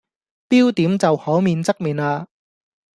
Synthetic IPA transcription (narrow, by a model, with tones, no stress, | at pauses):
piː˥wt̪iː˨˥mt͡sɐ˨whɔː˨˥wmiː˨˧nt͡sɐ˥k̚miː˨naː˧